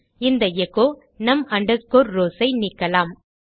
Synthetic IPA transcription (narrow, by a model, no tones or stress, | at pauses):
ɪnd̪ɐjɛkːoː | nɐmɐɳɖɐkːoːɾɾoːsɐɪniːkːɐlaːm